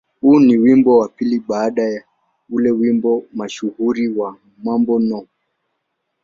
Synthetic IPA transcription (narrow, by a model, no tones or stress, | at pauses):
huːniwimbɔwapiliɓaːɗaja | ulɛwimbɔmaʃuɣuɾiwa | mwambɔnɔ